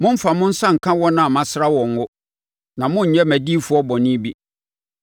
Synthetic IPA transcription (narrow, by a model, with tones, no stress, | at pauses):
mʊ̃˦m̩˦fa˨mʊ̃˦n̩˦sã˦ŋ̩˨kʰã˦wɔ˦nã˨mã˨sɾa˦wɔ̃˨ŋ˦wʊ˦ | nã˨mʊ̃˦ɲ̩˨ɲɛ˦mæ˨diː˦fʊ˨˦ɔ˦bɔ˨nɪ̃˦bi˦